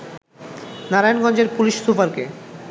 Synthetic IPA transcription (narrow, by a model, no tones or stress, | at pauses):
naɾajnɡɔnd͡ʑeɾpuliʃsupaɾke